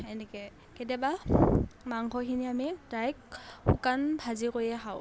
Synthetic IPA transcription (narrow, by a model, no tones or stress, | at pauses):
ɛnɛkɛ | kedaba | maŋxɔxiniamitajk̚xṵkanbʱazikoɹiɛxaʊ